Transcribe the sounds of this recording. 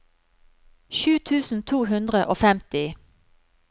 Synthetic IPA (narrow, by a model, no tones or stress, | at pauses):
ʃʉːt̪ʰʉːsn̩t̪ʰuːhʉnd̪ʁəʔoːfɛmt̪ɪ